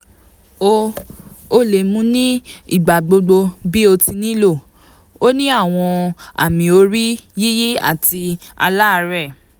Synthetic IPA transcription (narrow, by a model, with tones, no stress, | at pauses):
o˧ | o˦le˨mũ˨˦nĩ˦ḭ˦˨ɡ͡ba˨ɡ͡bo˧ɡ͡bo˧bi˦o˧ti˧nĩ˦lo˦˨ | o˦nĩ˦a˦˨w̃ɔ̃˧a̰˨mĩ˨o˧˦ɾi˦ji˦ji˦a̰˦˨ti˧a̰˧la˦˧ɾɛ˦˨